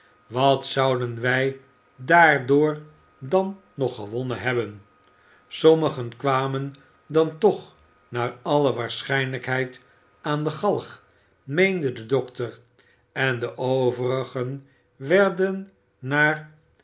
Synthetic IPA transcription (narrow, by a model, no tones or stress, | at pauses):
ʋɑtsɑwdənʋɛj | daːɹdʊːɹ | dɑnː | ɔχəʋɔnəɦɛbən | sɔməχənkʋaːmən | dɑntɔχ | naːɹɑləʋaːɹsχɛjnləkɦɛjt | aːndəχɑlˠχ | mejndədədɔktər | ɛndəʔowvərəχən | ʋɛɹdənː | aːr